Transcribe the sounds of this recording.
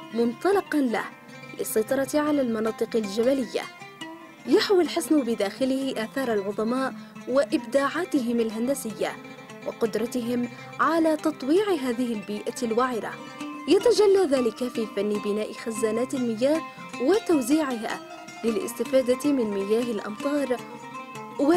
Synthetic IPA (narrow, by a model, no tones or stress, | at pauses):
mʊnt̪ˤɑlɑqɑnla̰h | lɪsːɑjt̪ˤɑɾˤɑt̪ʕalaːlmɑnɑːt̪ˤɨqɪld͡ʒabalɪjːa̰ | jaħwɪlħɪsnʊbɪd̪aːxɪlɪhɪʔaːθɑːɾˤalʕʊðˤɑmaːʔwaʔɪbd̪aːʕaːt̪ɪɦɪmalɦand̪asɪjːa̰ | wɪ̰qʊd̪ɾˤɑt̪ɪɦɪm | ʕalaːt̪ɑt̪ˤwiːʕɪɦaːðɪhɪlbiːʔalwaʕɪɾa̰ | jat̪ad͡ʒalːaðaːlɪkafiːfanːɪbɪnaːʔɪxazːaːnaːt̪ɪlmɪjːaːh | wɪt̪awziːʕɪɦa̰ː | lɪlʔɪ̰st̪ɪfaːd̪amɪnmɪjaːɦɪlʔɑ̰mt̪ˤɑːɾˤ | wa